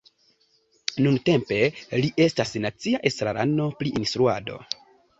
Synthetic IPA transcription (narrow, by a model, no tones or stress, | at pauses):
nunte̞mpe̞liʔe̞stasnat͡siaʔesɾaɾʔa̰no̞pliʔinstɾua̰do̞̰